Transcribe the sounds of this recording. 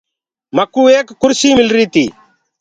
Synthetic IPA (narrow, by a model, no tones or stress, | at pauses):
mɐkuːeːkːʊɾsiːmɪlɾiːt̪iː